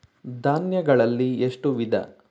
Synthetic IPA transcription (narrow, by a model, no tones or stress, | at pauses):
d̪ʱaːnjɐɡɐɭɐlːieʂʈuʋid̪ʱɐ̰